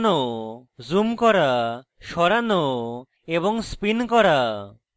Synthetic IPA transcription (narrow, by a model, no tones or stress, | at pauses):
nɔzumkɔɾaʃɔɾanɔ | eβɔŋspinkɔɾa